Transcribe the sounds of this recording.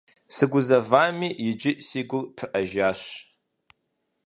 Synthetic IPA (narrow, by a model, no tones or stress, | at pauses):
sɨɡʷʊzɐvaːmiːjɪd͡ʒɪʔsiːɡʷʊrpʰɨʔɐʒaːɕ